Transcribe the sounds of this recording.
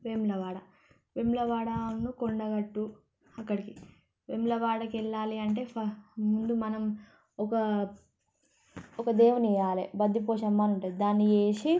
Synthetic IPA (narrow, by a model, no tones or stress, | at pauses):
ʋemlɐʋaːɽɐ | ʋemlɐʋaːɽɐnːukoɳɖɐɡɐʈːu | ɐkːɐɽiki | ʋemlɐʋaːɽɐkɛɭːaːliɐɳʈeːpɐmund̪umɐnɐm | ɔkɐ | ɔkɐd̪eːʋunɛjaːlḛbɐd̪ːipoːʃɐmːaːnuɳʈaid̪aːnːieːʂi